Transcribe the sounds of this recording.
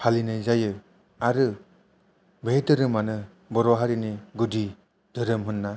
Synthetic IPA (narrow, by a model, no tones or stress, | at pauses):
halinɯjzajɯ | aɾɯ | beɦedɯɾɯmanɯ | bɔɾɔɦaɾiniɡudi | d̥ɯɾɯmɦɯnːa